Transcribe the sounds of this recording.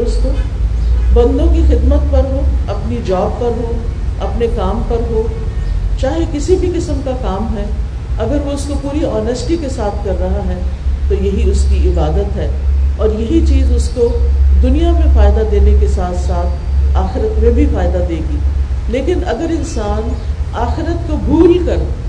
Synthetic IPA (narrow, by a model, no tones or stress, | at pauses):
ɾʊsko | bɐ̃nd̪õkixɪd̪mət̪̚pɐɾɦoːɐpnid͡ʒɔːb̚pɐɾɦoːɐpnekaːmpɐɾɦoː | t͡ʃaːɦekɪsibʱikɪsəmkakaːmɦɛ | ɐɡəɾʋoʊskopuːɾiɔːnəsʈikesaːt̪ʰkɐɾːɐɦaɦɛt̪ojɐɦiʊskiɪbaːd̪ət̪ɦɛːɔːɾjɐɦit͡ʃiːzʊskod̪ʊnijamẽfaːɪd̪ad̪eːnekesaːt̪ʰsaːt̪ʰaːxɪɾət̪mẽbʱifaːɪd̪ad̪eːɡiːleːkɪnɐɡəɾɪ̃nsaːnaːxɪɾət̪kobʱuːlkɐɾ